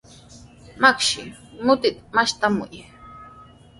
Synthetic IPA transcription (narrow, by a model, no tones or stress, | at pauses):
makʃɪmʊt̪ɪt̪maʃt̪amʊ̰j